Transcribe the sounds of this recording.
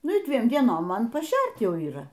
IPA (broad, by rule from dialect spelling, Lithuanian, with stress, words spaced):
ˈnʊ ˈdʲʋʲiɛm dʲiɛˈnoːm ˈmɐn pɐˈʃʲɛrt ˈjɛʊ iːˈrɐ